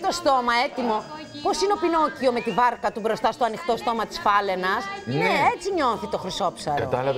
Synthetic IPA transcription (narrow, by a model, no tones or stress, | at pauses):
t̪o̞st̪o̞mɐe̞t̪imo̞ | po̞sineopino̞cio̞me̞t̪ivɐɾkɐt̪ubɾo̞st̪ɐst̪oɐnixt̪o̞st̪o̞mɐt̪i̥sfɐle̞nɐsneet͡siɲo̞θit̪o̞xɾiso̞psɐɾo